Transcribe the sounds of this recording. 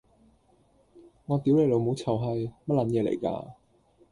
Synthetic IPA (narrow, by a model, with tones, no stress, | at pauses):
ŋɔː˨˧t̪iː˨˥wle˨˩lo˨˧wmo˨˧wt͡sʰɐ˨˩wɦɐ˨jmɐ˥t̚lɐ˨˥njɛː˨˧lḛ˨˩jka̰ː˧